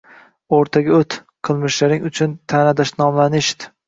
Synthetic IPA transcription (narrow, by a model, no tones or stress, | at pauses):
oɾt̪ʰaɡʲaɵt̪ | qʰɨlˠmɪʃlaɾɪŋʊt͡ʃʰʊnt̪ʰanad̪aʃnɒmlanɪʃd̪ɪ